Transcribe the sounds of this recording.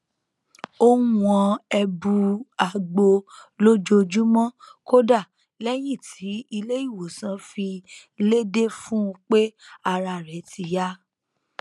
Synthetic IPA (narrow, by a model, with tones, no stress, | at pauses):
o˦ũ˨ɔ̃˧ɛ˧bu˧a˨ɡ͡bo˧lo˦d͡ʒo˧d͡ʒu˦mɔ̃˦ko˦da˦˨ | lɛ˦j̃ĩ˦˨tʰi˨˦i˧le˦i˦˨wo˨sã˨˦fi˧ | le˦de˦fũ˦ũ˧k͡pe˦a˧ɾa˨ɾɛ˨˦tʰi˧ja˦